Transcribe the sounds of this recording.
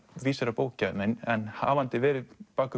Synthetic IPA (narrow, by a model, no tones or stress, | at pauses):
viːsaɾapoːwcamɪnɛnha̰vant̪ɪvɛːɾɪpaːkʏ